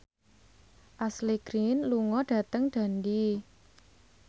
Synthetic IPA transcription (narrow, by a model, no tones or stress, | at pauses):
ʔasliɡ̥ɾinluŋɔɖ̥ä̤t̪əŋɖ̥a̤ndi